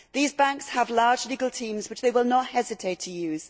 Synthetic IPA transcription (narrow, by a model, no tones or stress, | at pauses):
ðiːzbãŋkshəvlɑːd͡ʒliːɡəlˠtʰĩːmzwɨt͡ʃðeɪwɪlˠnət̚hɛzɪtʰeɪtʰəjʉːz̥